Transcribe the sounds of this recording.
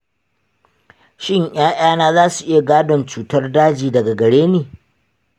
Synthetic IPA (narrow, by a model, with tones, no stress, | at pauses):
ʃɪ˦ɲʔj̰aː˦ʔaː˦naː˦zaː˦su˨ʔɪ˦ja˨ɡaː˦dɔ˨nt͡ʃuː˨tɐ˦rdaː˦d͡ʒiː˨dɐ˨ɡa˨ɡɐ˨ɽeː˦neː˨